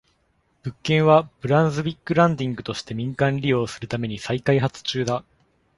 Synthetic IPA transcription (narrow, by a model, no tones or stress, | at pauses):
b̥ɯ̟kːẽ̞ɰ̃βab̥ɯ̟ɾãnzɨbʲikːɯ̟ɾãnd̪ʲĩŋɡɯ̟t̪o̞ɕi̥t̪e̞mʲĩŋkãnɾʲijo̞ːsɨɾɯ̟t̪ame̞ɲ̟isaikaiɦat͡sɨ̥t͡ɕɨːd̪a